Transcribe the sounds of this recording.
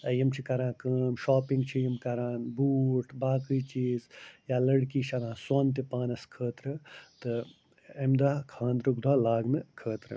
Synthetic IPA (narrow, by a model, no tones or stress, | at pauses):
ɐjimt͡ʃʰikɐɾãːkəːmʃaːpĩŋɡt͡ʃʰijimkɐɾaːnbuːʈbaːkɨt͡ʃiːzjaːlɐɽkiʃʰɐnãːsoːnt̪̬ipaːnɐskʰəːt̪ɾɨt̪ɨ | emd̪aːkʰãːnd̪ɾuk̚d̪ʱaːlaːɡnɨkʰəːt̪ɾɨ̰